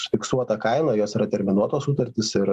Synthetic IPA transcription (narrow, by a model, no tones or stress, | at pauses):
sʊ̥fʲɪksuɔt̪ɐkɐɪnɐːjoːsiːɾɐt̪ʲɛɾʲmʲɪnuɔt̪oːssut̪ɐɾʲt̪ʲɪsɪɾ